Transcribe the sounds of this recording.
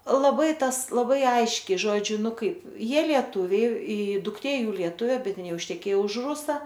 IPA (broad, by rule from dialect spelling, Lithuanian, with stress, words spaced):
lˠɐˈbɐɪ ˈtɐs lˠɐˈbɐɪ ˈɐɪʃʲkʲɛɪ ˈʒoːd͡ʒʲʊ ˈnʊ ˈkɐɪp ˈjiɛ lʲiɛˈtʊʋʲɛɪ ɪ dʊkˈtʲeː ˈjuː lʲiɛˈtʊʋʲeː ˈbʲɛt ˈɪn ˈjɛʊ ɪʃʲtʲɛˈkʲeːjoː ʊʃ ˈrʊsɐ